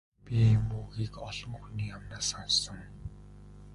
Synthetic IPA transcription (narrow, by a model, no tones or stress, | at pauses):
pʲimuːɣiːkɔɮɞ̆ŋɵxniːamnaːsɔnsɞ̆ŋ